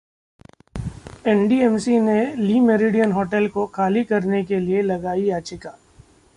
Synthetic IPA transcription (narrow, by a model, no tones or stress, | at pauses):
ɛnɖiɛmsineliːmeɾiɖijənɦoːʈɛlkoxʰaːlikɐɾnekelielɐɡaːijaːt͡ʃɪkaː